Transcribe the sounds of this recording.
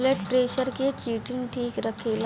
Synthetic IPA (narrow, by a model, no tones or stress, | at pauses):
leʈpɾeɕəɾket͡ɕiːʈinʈʰiːkɾəkʰel